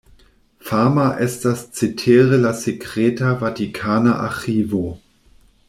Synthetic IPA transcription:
faːmaʔɛstast͡sitʰeːʁəlasekʁ̥eːtɐvatikʰaːnaʔa̰xiːvo

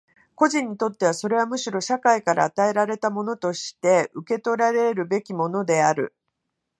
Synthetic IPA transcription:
ko̞ʑĩɲ̟ːit̪o̞t̪ːe̞β̞aso̞ɾe̞β̞amɯ̟ɕiɾo̞ɕakaikaɾa̰ːt̪ae̞ɾaɾe̞t̪amo̞no̞t̪o̞ɕi̥t̪e̞ʔɯ̟ke̞t̪o̞ɾaɾe̞ɾɯ̟be̞kʲimo̞no̞d̪e̞aɾɯ̟̰

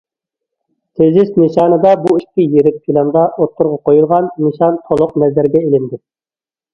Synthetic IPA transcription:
t̪ʰezɪʃnɨʃɑːnɨd̪ɑbuiʃkʲʰijeɾɪp̚kʰʲilɑnd̪ɑʔot̪ʰːʊɾʁɑqʰojulˠʁɑnːɨʃɑnt̪ʰolˠʊq̚nɛzæɾɡʲɛelɪnd̪ɪ

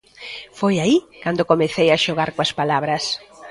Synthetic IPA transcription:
fojaikand̪okomeθejaʃoɣaɾkoɐspalaβɾɐs

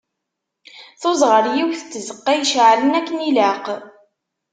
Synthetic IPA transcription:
θʊzʁəɾjiwθət͡sːzəqːæjʃʕlənækːənilaq

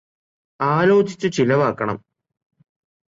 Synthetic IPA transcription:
aːlo̞ːt͡ɕi̥t͡ɕːɨt͡ɕilɐʋaːkːɐɳɐ̰m

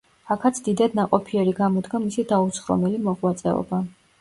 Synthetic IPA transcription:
akʰat̪sʰd̪̥id̪ad̪̚naqʼɔpʰiɛɾiɡamɔd̪ɡamisid̪aut̪sʰχɾɔ̰mɛlimɔʁwat̪sʼɛ̰ɔ̰ba

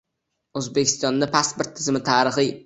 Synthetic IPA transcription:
ɵzbekʲʰɪ̥st̪ɒnːapʰaspoɾt̪ʰːɪzɪmɪt̪ʰaːɾɨχɨj

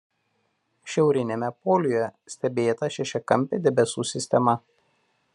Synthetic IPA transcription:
ʃʲɛʊɾʲɪnʲemʲɛpɔːlʲʊjjɛsʲt̪ʲɛbʲeːt̪ɐʃʲɛʃʲɛkɐmʲpʲed̪ʲɛbʲɛsuːsʲɪsʲt̪ʲɛmɐ

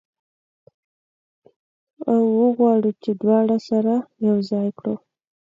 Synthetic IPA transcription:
awːəɣwɑɽut͡ʃed̪wɑɽasaɾajawzɑjkɽo

